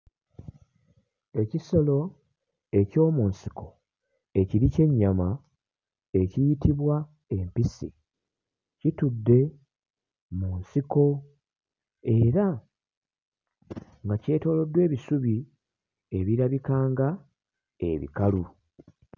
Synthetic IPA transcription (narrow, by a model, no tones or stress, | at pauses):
e̞ciso̞lo̞ | e̞co̞ːmuːnsi̥ko̞ | e̞ciɾice̞ɲːama | e̞cijitiβwa | e̞mpisḭ | citudːe̞ | muːnsiko̞ | e̞ɾa | ŋɡace̞ːto̞ːlo̞dwe̞ːβisuβi | e̞βiɾaβikaːŋɡa | e̞̰βḭkalu